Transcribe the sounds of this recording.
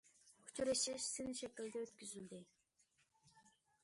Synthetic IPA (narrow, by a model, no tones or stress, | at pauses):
kʲʰu̥t͡ʃʰyɾɪʃɪʃsɪnʃɛkʲɪld̪ɛøt̪kʲyzyld̪ɪ